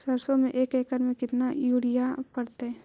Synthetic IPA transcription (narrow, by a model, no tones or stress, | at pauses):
ɐɾsõmẽʔeːkɛːkəɾmẽkɪt̪najuːɽijapɐɾt̪eɦɛ̃ː